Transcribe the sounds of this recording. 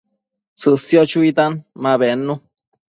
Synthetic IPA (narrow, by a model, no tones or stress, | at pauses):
t͡sɨsjot͡ʃuit̪anmaβenːu